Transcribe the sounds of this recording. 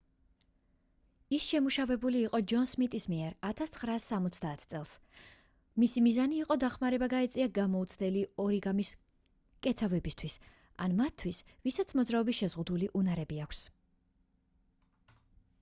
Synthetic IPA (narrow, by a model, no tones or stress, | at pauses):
isʃɛmuʃavɛbuliːqʼɔd͡ʒɔnsmit̪ʼismiɛɾat̪ʰast̪sʰχɾaːsːamɔt̪sʰd̪aːt̪ʰt̪sʼɛlˠs | misimizaniːqʼɔd̪aχmaɾɛbaɡaɛt̪sʼiaɡamɔut̪sʰd̪ɛliɔɾiɡamis | kʼɛt̪sʰavɛbist̪ʰwis | a̰nmat̪ʰːwisvisat̪sʰmɔd̪zɾaɔbisʃɛzʁud̪uliʔunaɾɛbiakʷʰs